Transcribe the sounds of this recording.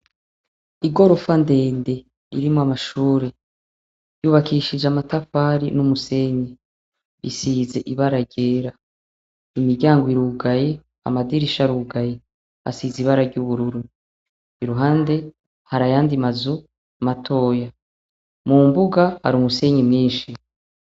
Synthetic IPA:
iɡo̞ɾofande̞ːnde̞ | ḭɾimoamaʃuːɾe | juβakʰiʃid͡ʒamatafaɾinumuse̞ɲe | ḭsiːze̞ʔiβaɾaɟe̞ːɾa | imiɾɟaːŋɡoiɾuɡaje | a̰madiɾiʃaɾuːɡaje | ha̰siːziβaɾaɾɟuβuɾuɾu | iɾuɦaːnde̞ | haɾajaːndimazu | matʰo̞ːja | mumbuɡaha̰ɾumuse̞ɲemɲiːnʃi

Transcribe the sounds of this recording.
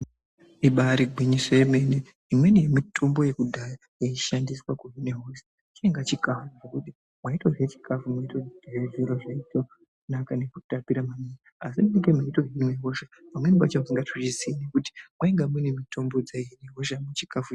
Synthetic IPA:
iɓaɾiɡʱwiɲisojeme̞ne | imwe̞nije̞mitʰo̞mbo̞je̞kudʱaja | jeiʃandiswakuɦineɦos | t͡ʃieŋɡat͡ʃikafuʐekuti | mwaitoʐet͡ʃi̥kʰafumaitoʐeʐiɾoʐaito | nakane̞kutapiɾamaninaasiiɡemaito̞ɦimweɦoʃepamwe̞nipat͡ʃaiŋɡatut͡ʃiziinekuti̥mwaiŋɡamunemitʰo̞mbo̞d͡zaiineɦoʃamut͡ʃi̥kafu

